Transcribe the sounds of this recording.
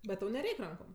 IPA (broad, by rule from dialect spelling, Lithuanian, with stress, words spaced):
bʲɛt ˈtɐʊ nʲɛˈrʲɛɪkʲ ˈrɐŋkoːm